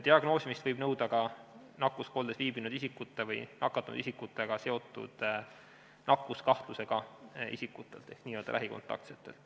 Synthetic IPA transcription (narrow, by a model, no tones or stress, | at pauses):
d̪̥iɑɡ̥no̞ːsimist̪vɤjb̥nɤwd̪̥ɑɡ̥ɑ | nɑkːˑusko̞ːld̪esviːbinud̪̥isikːˑut̪ːˑevɤ̰jnʔɑ̰kːˑɑt̪ːˑunṵd̪̥isikːut̪ːˑeɡ̥ɑse̞o̞t̪ːˑṵd̪̥ | nɑkːˑuskɑht̪luse̞ɡ̥ɑʔḭsikːˑut̪ːˑe̞lt̪eksniːjø̞ːld̪ɑ̰læ̰ɦiko̞̰nt̪ːˑɑ̰k̚t̪set̪ːˑe̞lt̪